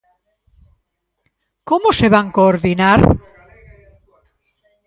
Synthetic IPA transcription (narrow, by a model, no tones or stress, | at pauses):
komoseβaŋkoːɾðinaɾ